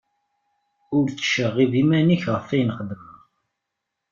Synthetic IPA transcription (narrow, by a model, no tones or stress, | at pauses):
ʊɾt͡sːə̥ʃəʁivimæniçʁəfæjənχəd̪məʁ